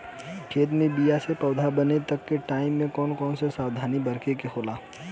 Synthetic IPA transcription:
kʰeːt̪mẽbijasepɐʊd̪ʱabənet̪əkːeʈaːɪmːẽkɔːnkɔːnsesaːwd̪ʱaːnibəɾkekekʰoːlaː

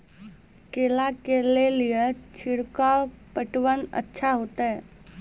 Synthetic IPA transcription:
keːlakelelijet͡ʃʰɪɽkapəʈwənə̰tːʃʰaɦoːt̪aɦɛː

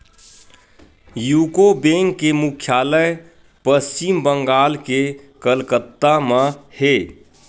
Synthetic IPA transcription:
juːkobẽŋkːemukʰjaːlə | pəst͡ʃimbəŋɡaːlkekəlkət̪ːamə̃he

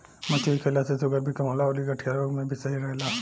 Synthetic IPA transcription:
mət̪ʰiikʰelasesoɡəɾbʱikəmɦolaoliɡəʈʰijaɾoɡmẽbʱisəɦiɾəɦela

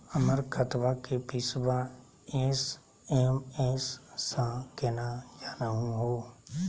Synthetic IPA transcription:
əməɾkʰət̪ʋakepɪsbãː | eːs | eːmeːsːãkeːnad͡ʒaːɾaɦũɦoː

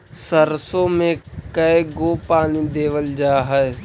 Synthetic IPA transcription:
səɾsõmẽkɐeɡoːpaːnid̪eːʋəld͡ʒaːɦɛe

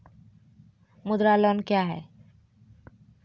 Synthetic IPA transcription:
mud̪ɾalɔnkjaɦɛ̰

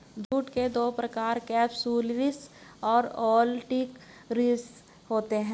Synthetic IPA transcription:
d̪ʱuːʈked̪oːpɾɐkaːɾkɛːpsuːlʋɪsɔːɾɔːlʈik | ɾiːs | hoːt̪eɦɛ̃

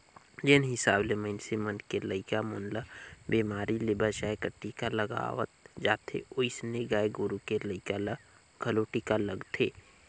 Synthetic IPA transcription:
d͡ʒenɦɪsaːbleməɪnsemənkeləɪkamʊːnlabiːmaːɾilɪbat͡ʃaːekəʈːikaləɡa̰ːʋə̰t̪̚d͡ʒaːt̪ʰḛʊɪsneɡaːeɡʊɾukeləɪkala | ɡ̥ʱɐloʈikaləɡt̪ʰeː

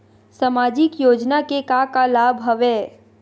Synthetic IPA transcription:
samaːd͡ʒɪkjoːd͡ʒnakekakalaːbʱɦəʋeː

